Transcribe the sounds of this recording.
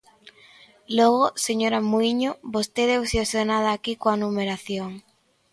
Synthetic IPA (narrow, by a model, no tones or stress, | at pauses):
lɔɣoseɲoɾamuiɲobost̪eðewsjosonaðaːkikoanumeɾaθjoŋ